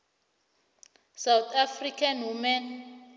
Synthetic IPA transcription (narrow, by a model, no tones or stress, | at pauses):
sawt̪ʰafrikʰanwuman